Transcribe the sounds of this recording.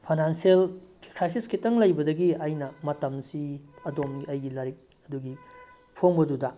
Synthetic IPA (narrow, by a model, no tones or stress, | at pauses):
pʰajnansielkɾajsiskitɐŋlɐjbɐdɐɡiɐjnɐmɐtɐmsiɐdomɡiɐjɡilɐɾik̚ | ɐduɡi | pʰoŋbɐdudɐ